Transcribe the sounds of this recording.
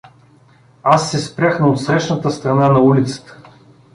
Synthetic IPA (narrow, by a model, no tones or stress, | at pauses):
asːɛspɾʲaxnɐot̪sɾɛʃnət̪əst̪ɾɐnanɐulit̪sə̥t̪ə̥